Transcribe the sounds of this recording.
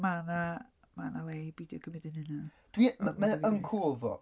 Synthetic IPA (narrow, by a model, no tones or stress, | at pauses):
mana | manalejbiːdiəkʰəmɪdənənad̥wimmaəŋkʰoːvɔ̰